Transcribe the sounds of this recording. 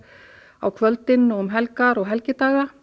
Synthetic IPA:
a̰wkʰvœlt̪ɪnːɔʏmɦɛlkaɾɔɣɦɛlcɪt̪aːɣa

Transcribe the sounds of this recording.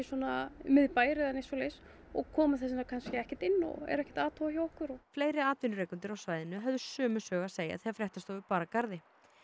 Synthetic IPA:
swɔnamɪðpaːjɾɪðanejsɔlejs | ɔɣkʰɔːmaθɛs̬ɪnakʰanscɪɛhcɪt̪ɪnːɔ̰ɛ̰ɾɛhcɛ̥t̪aːt̪ʰoːwaçawɔhkʏɾɔfleːjɾɪaːt̪vɪnʏɾejkʏnt̪ɪɾawsvaːjðɪnʏɦɛvðʏsœːmʏsœːɣaseːja̰θeɣafɾjɛht̪ast̪oːwɪpaːɾakaɾðɪ

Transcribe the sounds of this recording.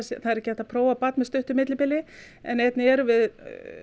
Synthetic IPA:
sθaðɛɾɛhcːɪɛht̪apʰɾoːwvapat̪nmɪst̪ʏht̪ʏmɪt̪lɪpɪlɪ | ɛ̰nejt̪nɪɛɾvɪð

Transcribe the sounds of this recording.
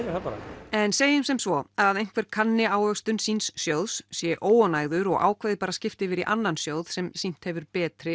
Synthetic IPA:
apaɾa̰ɛnseːjʏmsɛmsvɔaððejŋ̥kvɛɾ̥kʰanːɪaːwœst̪ʏnsinsːjowðssjɛʔoːwanaːjɣðʏɾɔɣʔa̰ːwkʰvejðɪpaːɾascɪft̪ɪvɪɾiʔanːansjoːwð̥sɛmsin̥t̪hɛvʏɾpɛːt̪ɾɪ

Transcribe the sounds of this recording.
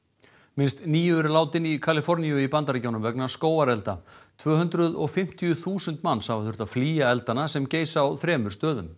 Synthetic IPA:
mɪnst̪niːjʏɛɾlaːwt̪ɪnikʰalɪfɔɾnijʏipant̪aɾacownʏmvɛknaskoːwaɾɛlt̪at̪ʰvœːɦʏnt̪ɾʏðɔɣfɪm̥t̪ijʏθuːsʏnt̪manːshavaθʏɾ̥t̪afliːjaɛlt̪anasɛmceːjsaːwθɾɛːmʏ̥st̪œːðʏm

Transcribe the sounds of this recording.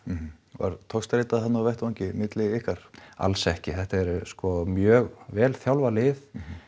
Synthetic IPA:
va̰ɾt̪ʰɔxst̪ɾeːt̪aðhɦanavɛht̪vaɲcɪmɪt̪lɪihkaɾ̥a̰lsɛhcɪθɛht̪aɛɾskɔmjœːɣvɛːlθjawlvalɪð

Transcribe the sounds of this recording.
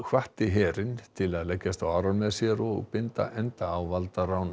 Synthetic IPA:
kʰvaht̪ɪɦɛːɾɪnt̪ʰɪlaðlɛcːast̪awaɾanmɛðsjɛɾɔɣpɪnt̪a̰ʔɛnt̪aːwvalt̪aɾawn

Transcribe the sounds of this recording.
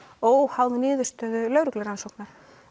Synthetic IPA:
oːwhawðɪnɪːðʏ̥st̪œːðʏlœɥɾʏklɪɾansowknaɾ̥

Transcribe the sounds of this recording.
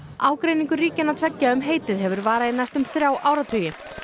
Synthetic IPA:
aːwkɾejniŋkʏriːcɪnːat̪ʰvɛcːaʏmɦeːjt̪ɪðɦɛvʏɾvaːɾaðɪnast̪ʏmθɾjaːwʔaːwɾat̪ʰʏːjɪ

